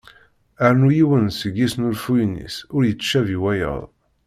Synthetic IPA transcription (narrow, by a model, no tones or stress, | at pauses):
əɾnujiwənsəɡːisnulfujnḭsʊɾjət͡sːʃæviwæjə̰ðˤ